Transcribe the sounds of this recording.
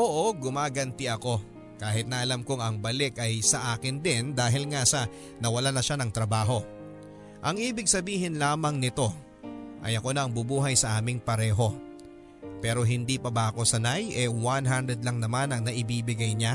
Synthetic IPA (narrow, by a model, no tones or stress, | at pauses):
ʔoːʔo̞ɡʊmaːɡɐnt̪ɪʔɐko̞ | kaːɦɪt̪̚nɐʔɐlamkoŋɐŋbɐlɪkɐjsɐʔaːkɪnd̪ɪnd̪aːɦɪlŋasɐ | nɐwɐlanɐʃanɐŋt̪ɾɐbaːɦo̞ | ʔɐŋʔiːbɪɡ̚sɐbiːɦɪnlaːmɐŋnɪt̪o̞ | ʔɐ̰jɐkonɐːŋbʊbuːɦɐjsɐʔaːmɪŋpɐɾɛːɦo̞ | pɛːɾo̞ɦɪnd̪ipɐbɐʔɐko̞sɐnajʔɛwanɦand̪ɾɛd̪lɐŋnɐmanɐŋnɐʔɪbiːbɪɡajɲa